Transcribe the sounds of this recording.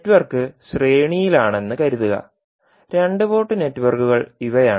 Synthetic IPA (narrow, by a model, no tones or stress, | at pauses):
tːuʋɐrkɨɕre̞ːɳijilaːɳe̞nːɨkɐɾuðuɣɐ̰ | ɾe̞ɳɖɨpo̞ːʈːɨne̞tːuʋɐrkːuɣɐɭiʋɐjaː